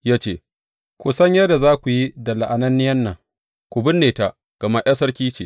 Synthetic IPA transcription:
jaː˦t͡ʃeː˦ | kʷʊ˨sɐ˦ɲjɐ˦da˨zaː˦kʷu˨ji˦dɐ˨la˨ʔa˨nɐ˦nːɪ˦jɐ˦nːɐ˨ŋ | kʷʊ˨bɪ˦nːeː˨ta˦˨ʔ | ɡ̥ɐ˨ma˦ʔj̰a˦sɐ˦rkʲiː˦t͡ʃeː˨

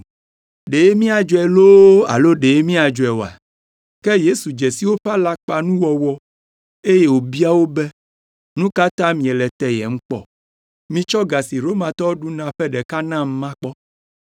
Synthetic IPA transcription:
ɖe˨je˦mĩ˦a˨d͡ʒo˨ɛ˨lo˦a̰˨lo˦ɖe˨je˦mĩ˦a˨d͡ʒo˨ɛ˨wo˨a̰˨ | kɛ˦je˦su˨d͡ʒɛ˨si˦wo˦ɸa˦la˦k͡pa˨nũ˦wɔ˨wɔ˦ | e˦je˦wo˨bi˦a˦wo˦bɛ˦ | nũ˦ka˦t̪ã˦mĩ˨ɛ˨lɛ˨t̪ɛ˦jɛ̰˨ŋ̩̃˦k͡pɔ̰˦ | mĩ˦t͡ʃɔ˦ɡa˨si˨ɾo˦mã˨t̪ɔ˦ɖu˦nã˨ɸɛ˦ɖɛ˨ka˦nã˦m̩˦mã˦k͡pɔ˦

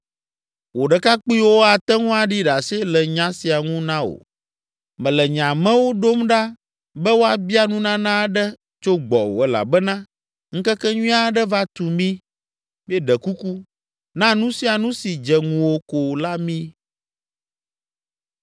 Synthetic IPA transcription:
wo˨ɖɛ˨ka˦k͡pi˦wo˦a˨t̪ɛ˦ŋũ˦a˨ɖi˦ɖa˨se˦lɛ˨ɲã˦si˨a˨ŋũ˦nã˦o̰˨ | mɛ̃˨lɛ˨ɲã˨mɛ̃˦wo˦ɖo˦mɖa˦ | bɛ˦wo˦a˨bi˦a˦nũ˦nã˦nã˦ɖɛ˦ | t͡ʃo˦ɡ͡bɔ˨wo̰˨ɛ˦la̰˨bɛ˦nã˦ | ŋ̩˦kɛ˦kɛ˦ɲũ˦a˦ɖɛ˦va˦t̪u˨mĩ˦ | mi˦ɛ˦ɖɛ˨ku˦ku˦ | nã˦nũ˦si˦a˨nũ˦si˨d͡ʒɛ˨ŋũ˨wo˦ko˨la˦mĩ˦

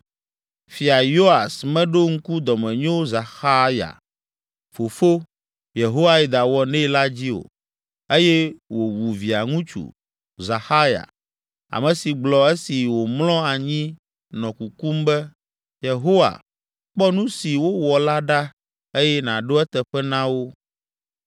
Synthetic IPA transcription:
fi˨a˨jo˦a˨smɛ̃˦ɖo˦ŋ̩˦ku˦d̪ɔ˨mɛ̃˨ɲõ˦za˨xa˦ja̰˨ | fo˨fo˦ | je˨ɦo˦wa˦i˨d̪a˨wɔ˦nɛ̃˦la˦d͡ʑi˦o̰˨ | e˦jɛ˦wo˨wu˨vi˨a˨ŋũ˦t͡ʃṵ˨ | za˨xa˦ja̰˨ | a̰˨mɛ̃˨si˨ɡ͡blɔ˨e˦si˨wo˨mlɔ̃˦a˨ɲĩ˦ | nɔ̃˨ku˨ku˦mbɛ˦ | je˨ɦo˦wa̰˨ | k͡pɔ˦nũ˦si˨wo˦wɔ˨la˦ɖa˦ | e˦jɛ˦nã˨ɖo˦ɛ˦t̪ɛ˨ɸɛ˦nã˦wo˦

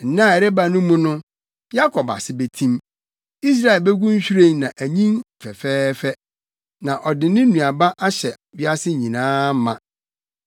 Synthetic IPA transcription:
n̩˨nã˦˨ɛ˨ɾɛ˦ba˨nʊ̃˦mʊ̃˦nʊ̃˦ | ja˦kʰɔ˨ba̰˨sɪ˦be˨tʰĩ˦m | i˦s̬ɾa˦˨ɛ˨lbɛ˦ɡʷũ˦n˦ɕᶣu˦ɾẽ˦˨nnã˨ʔæ˨ɲĩ˦n˨fɛ˨fɛː˦fɛ˦ | nã˨ʔɔ˨dɪ˨nɪ̃˦nũ˨a˨ba˦ʔa˦ɕɛ˨bi˦a˦sɪ˦˨ɲĩ˨nãː˦m˦mã˨

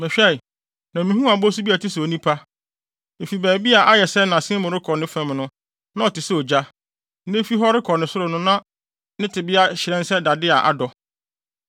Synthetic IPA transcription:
mɛ̃˨ɕᶣɛ˦˨ | nã˨mĩ˨˦hũ˦a˨bɔ˦su˦bi˦a˨tʰɪ˦sʊ˨o˨nĩ˦pʰa˦ | m̩˨fi˨bæː˨bi˦a˨ʔa˦jɛ˨sɛ˦nã˨sɪ̃˦mʊ̃˨ɾɪ˦kʰɔ˨nɪ̃˦fɛ̃˨mnʊ̃˦ | nã˦ɔ˨tɪ˨sɛ˦ɔ˨d͡ʑa˦ | nẽ˦fi˦ɦɔ˦ɾɪ˦kʰɔ˨nɪ̃˨sʊ˦ɾʊ˨nʊ̃˦nã˦ | nɪ̃˦tʰɪ˨bɪ˦a˦ɕɪ˨ɾɛ̃˦n˦sɛ˦da˨dɪ˦a˨ʔa̰˨dɔ˨

